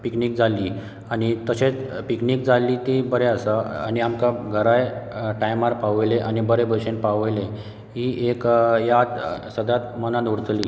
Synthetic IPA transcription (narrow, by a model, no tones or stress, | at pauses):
piknik̚d͡zʱalːi | anit̪əɕet͡spiknikd͡zʱalːit̪ibəɾeəsəa̰niamkaɡʱəɾajʈajmaɾpaʋjleʔanibəɾebʱəɕenpaʋəjle | ɦiʔekjat̪səd̪ʱat̪mənãnuɽt͡sliː